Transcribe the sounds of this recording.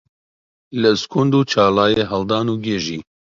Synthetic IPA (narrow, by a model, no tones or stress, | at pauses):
ləskʰund̪uːt͡ʃʰaːlaːjeːɦɐld̪ɑːnuːɡeːʒiː